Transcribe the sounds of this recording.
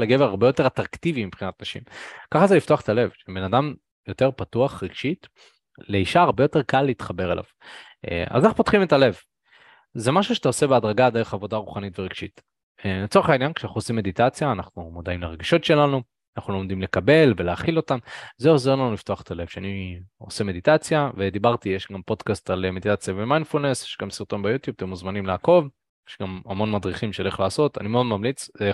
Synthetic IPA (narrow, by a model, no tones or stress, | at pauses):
leɡeveaʁbe̞jote̞ʁat̪ʁakt̪ivimibχinat̪naʃḭmkaχazelifto̞aχe̥t̪ale̞vʃebe̞nadam | jo̞te̞ʁpatuaχʁeɡ̥ʃit | le̞iʃaːʁbejo̞te̞ʁkalːiit̪χabe̞ʁelʔa̰v̥ | ḛʔa̰zanaχupot̪χimet̪ale̞v | zemaʃuʃe̥t̪aose̞beadʁaɡad̪eʁeχavo̞daʁuχanitveʁeɡʃit | et͡soʁeχainjanke̥ʃanaχnuosimːed̪it̪at͡sjaːnaχnumod̪aimleʁ̞eɡiʃo̞tʃe̞lanu | anaχnulomd̪imle̞kabe̞lve̞leaːχilo̞t̪amzeoze̞ʁlanulift̪o̞aχet̪ale̞v̥ʃeanio̞̰se̞me̞d̪it̪at͡sjave̞d̪ibaʁt̪ijeʃɡampo̞d̪kast̪alemed̪it̪at͡sjavemajnfulne̞sjeʃɡamsiʁt̪o̞nbejut̪jub̚t̪emuzmanimlaːko̞v | jeʃɡamamo̞nmad̪ʁiχimʃeleχlaːso̞t̪a̰nimeo̞d̪mamlit͡se